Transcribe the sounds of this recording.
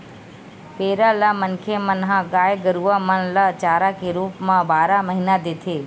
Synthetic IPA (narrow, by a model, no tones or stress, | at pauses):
peɾalamənkʰemənɦãɡajɡəɾuʋamənlat͡ʃaːɾakeɾupmãbaːɾaməɦinad̪et̪ʰe